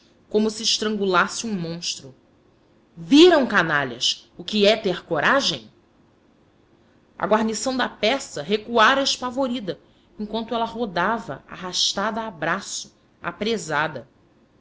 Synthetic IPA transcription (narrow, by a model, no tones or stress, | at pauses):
kõmʊsɪːʃt̪ɾɐ̃ŋɡulasɪũmõʃt̪ɾʊ | viɾɐ̃w̃kanaʎɐ̰sʊkɪɛt̪eχkoɾaʒẽj̃ | ɐ̰ɡwaɾnisɐ̃w̃d̪ɐpɛsɐɦekuaɾɐeʃpavoɾid̪ɐ | ẽŋ̃kwɐ̃nt̪ʊɛlɐɦod̪avɐ̰a̰ɦaʃt̪ad̪ɐaːbɾasʊ̥ | a̰pɾezad̪ɐ